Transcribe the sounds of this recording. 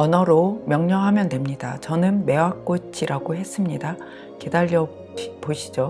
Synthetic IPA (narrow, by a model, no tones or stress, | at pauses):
ʌnʌɾomjʌŋɲʌɦamjʌndwe̞mɲidat͡ɕʌnɯnme̞wak͈ot͡ɕʰiɾʔaɡoɦe̞s͈ɯmɲida | ke̞daʎːʌ | poɕʰid͡ʑo